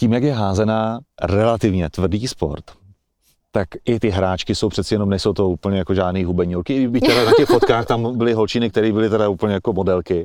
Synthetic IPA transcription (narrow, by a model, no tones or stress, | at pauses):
ciːmjakjɛɦaːzɛnaːrɛlat̪ɪvɲɛt̪vr̩diːspo̞̰ɾt̪ː | akʔɪt̪ɪɦɾaːt͡ʃkɪso̞wpr̝̥ɛt̪sɛjɛno̞mnɛjsowt̪o̞uːpl̩ɲɛjakoʒaːdniːɦubɛɲuɾkɪɪbɪct̪ɛɾanacɛxfot̪kaːxt̪ambɪlɪɦolt͡ʃiːnɪk̚t̪ɛɾiːbɪlɪt̪ɛdauːpl̩ɲɛjako̞modɛlkɪ